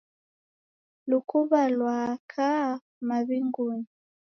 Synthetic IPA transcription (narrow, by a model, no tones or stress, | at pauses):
lukuβalwakʰa | maβiŋɡuni